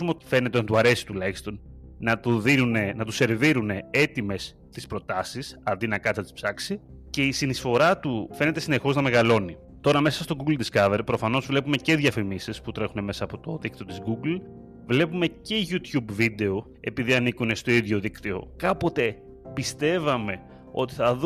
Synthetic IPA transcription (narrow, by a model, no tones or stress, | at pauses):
umeot̪i̥fe̞ne̞t̪enɐt̪uɐɾe̞si̥t̪ulɐçist̪o̞n | nɐt̪uðinunenɐt̪use̞ɾviɾune̞e̞t̪ime̞s | t̪ispɾo̞t̪ɐsisɐnd̪inɐkɐt̪ɐt̪i̥spsɐksi | ce̞isinisfo̞ɾɐt̪ufe̞net̪e̞sine̞xo̞znɐme̞ɣɐlo̞ni | t̪o̞ɾɐme̞sɐst̪o̞ɡuɡld̪iskɐveɾpɾo̞fɐno̞zvle̞pume̞ce̞ðʝɐfimisisput̪ɾe̞xune̞me̞sɐːpo̞t̪o̞ðik̚t̪iot̪izɡuɡl | vle̞pume̞ce̞ʝut̪çubvid̪e̞o | e̞piðiɐnikune̞st̪o̞iðʝo̞ðikt̪io̞̰kɐpo̞t̪e̞ | pist̪e̞vɐme̞ | o̞t̪i̥θɐð